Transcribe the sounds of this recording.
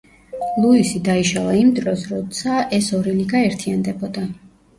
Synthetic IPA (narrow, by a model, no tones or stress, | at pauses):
lˠuisid̪aiʃalˠaimd̪ɾɔsɾɔt̪sʰaʔɛsɔɾiliɡaɛɾt̪ʰiand̪ɛbɔd̪a